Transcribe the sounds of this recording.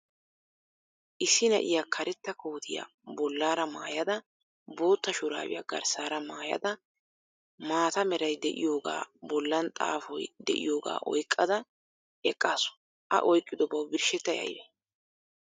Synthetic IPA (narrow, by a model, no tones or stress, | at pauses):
ʔɪsːɪnɐ̰ʔɪjakʰɐɾɛt̪ːɐkoːt̪ʰɪja̰ | bɔlːaːɾɐmaːjɐd̪ɐ | bo̞ːt̪ːɐʃʊɾa̰ːwɪ̰jɐɡɐ̰ɾsaːɾɐmaːjɐ̰d̪ɐ | maːt̪ɐmɛɾɐjd̪ɛʔɪ̰jo̞ːɡa̰ːbɔlːɐnt̪ʼa̰ːfɔjd̪ɛʔɪ̰jo̞ːɡa̰ːʔɔ̰jkʼːɐd̪ɐ | ʔɛkʼːaːsʊ̥ | ʔɐ̰ʔɔjkʼːɪd̪ɔbɐwbɪɾʃɛt̪ːɐjɐ̰jbɛ